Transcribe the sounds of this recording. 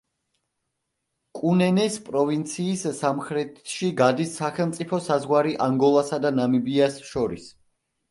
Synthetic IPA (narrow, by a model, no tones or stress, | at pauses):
kʼunɛnɛspʼɾɔvint̪sʰiːsːamχɾɛt̪ʰʃiɡad̪isːaχɛlˠmt̪sʼipʰɔsazʁwaɾiʔaŋɡɔlˠasad̪anamibiasʃɔɾis